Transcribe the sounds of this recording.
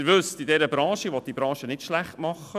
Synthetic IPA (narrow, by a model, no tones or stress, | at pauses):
ʋʉstidɛɾəbɾɑ̃ːʃəʋɔt̪̚dibɾɑ̃ːʃənɪtʃlæχtmɑχːə